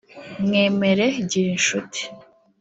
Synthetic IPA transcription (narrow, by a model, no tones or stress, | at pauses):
mŋeːmeɾeɟiɾinʃutʰi̥